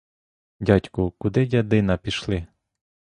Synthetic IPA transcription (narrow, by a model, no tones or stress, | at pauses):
dʲɑtʲkʊkʊd̪ɪdʲɐd̪ɪnɐpʲiʃlˠɪ